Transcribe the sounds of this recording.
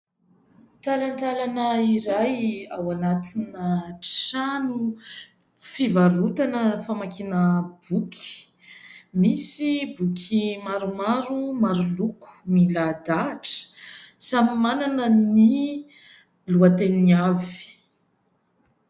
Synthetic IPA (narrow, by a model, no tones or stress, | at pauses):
t̪alant̪alanəiɾajawanat̪inə | anu | fivaɾut̪anəfamakinəb̥ukʲʰi̥ | misibukʰʲimaɾumaɾumaɾuluku̥milad̪aʈ͡ʂə̥samimananəni | luat̪eniavi̥